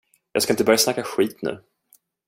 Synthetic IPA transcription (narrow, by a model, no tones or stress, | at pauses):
jɑ̰ːɡskaɪnt̪əbœɾjasnakːaɧiːt̪nʉ̟̰ː